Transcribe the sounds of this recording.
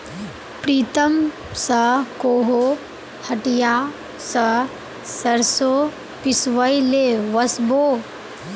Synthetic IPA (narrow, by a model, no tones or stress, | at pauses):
pɾiːt̪ɐm | sɐkoːɦo | hɐʈijaː | sɐ | sɐɾso | pisʋɐjleʋɐsboː